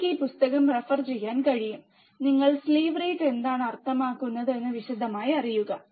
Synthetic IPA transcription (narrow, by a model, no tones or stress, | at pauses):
kiːpust̪ɐɣɐmrɐfɐrt͡ɕejːaːnkɐɻijum | niŋːɐɭsleːʋriːʈend̪aːɳɐrt̪ɐmaːkːunːɐðenːɨʋiʂid̪ʱːɐmaːjiɐrijuɣɐ